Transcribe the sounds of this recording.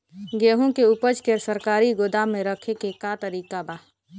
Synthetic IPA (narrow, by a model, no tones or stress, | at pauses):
ɡeːɦõkeʊpət͡ʃkesəɾkaːɾiɡod̪amːẽɾəkʰekekat̪əɾiːkabaː